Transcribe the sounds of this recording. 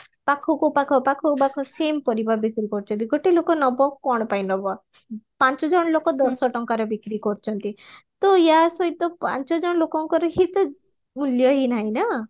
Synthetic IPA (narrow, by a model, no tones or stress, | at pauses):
pakʰɔkupakʰɔpakʰɔkupakʰɔsempɔɾibabikɾikɔɾt͡ʃʰɔnt̪iɡoʈelokɔnɔbɔkɔɽ̃ɔpajnɔbɔ | pant͡ʃɔd͡ʒɔɽ̃ɔlokɔd̪ɔɾsɔʈɔŋkaɾɔbikɾikɔɾt͡ʃʰɔnt̪it̪ɔjasɔit̪ɔpa̰nt͡ʃɔd͡ʒɔɽɔlokɔŋkɔɾɔɦit̪ | muljɔɦinaɦĩna